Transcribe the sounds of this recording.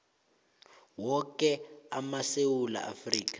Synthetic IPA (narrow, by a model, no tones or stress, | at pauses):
wɔkɛamasewula̰ʔa̰friːkḁ